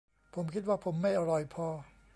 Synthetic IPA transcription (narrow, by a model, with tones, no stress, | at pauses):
pʰo˩˦mkʰi˥t̪̚waː˥˩pʰo˩˦mːa˥˩jʔa˧ɾɔ˨˩jpʰɔː˧